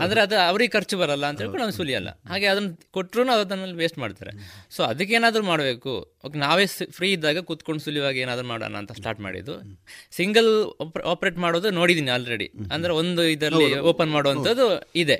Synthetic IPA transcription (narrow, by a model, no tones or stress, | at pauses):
and̪ɐɾeɐd̪ɐɐʋɐɾiɡɛkʰɐɾt͡ʃubɐɾɐlːɐːnt̪ɐeːɭkːunaːʋsuliɐ̰lːɐ̰ɦaːɡe̞ɐd̪ɐnːɐkoʈːɾuːnuɐʋɐd̪ɐnːɐlːiʋeːsʈmaːɖt̪a̰ːɾḛso̞ːɐd̪ɐk̬ːeːnaːd̪ɐɾumaːɽbe̞ːkṵ | oːkenaːʋepʰɾiːid̪ːaːɡɐkuːt̪ko̞ɳɖusuljiʋaːɡieːnaːd̪ɐɾumaːɽɐ̰lːɐ̰ːnt̪ʰɐsʈa̰ːɾʈma̰ːɽḭd̪ṵsiŋɡɐlpʔaːpɾe̞ːʈmaːɽoːd̪noːɽid̪iːniaːlɾeɽḭɐnd̪ɐɾeo̞nd̪uid̪ɐlːioːpɐnmaːɽoʋɐnt̪ʰɐd̪ːuid̪e̞